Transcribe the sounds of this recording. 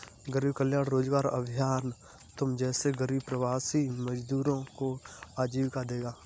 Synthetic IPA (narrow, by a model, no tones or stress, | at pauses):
ɡəɾiːbkəljaːɽ̃ɾoːd͡ʒɡaːɾə̰bʱɪjaːn | t̪ʊmd͡ʒɛːseɡəɾiːb̚pɾəwaːsiməd͡ʒd̪uːɾõkoaːd͡ʒiːbkad̪eːɡaː